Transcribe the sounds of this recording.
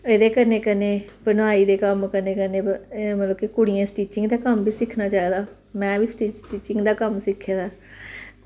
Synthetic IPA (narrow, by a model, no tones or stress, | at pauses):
eːd̪eːkəɾneːkəneːbənaːiːd̪eːkəmkəneːkəneːmələbkekʊɽɪjãːsʈiːt͡ʃɪŋɡd̪aːkəmbʱiːsɪkʰnaːt͡ʃaːeːd̪aː | mɛ̃ːbiːsʈiːʈiːt͡ʃɪŋɡd̪aːkəmsɪkʰːaːd̪aː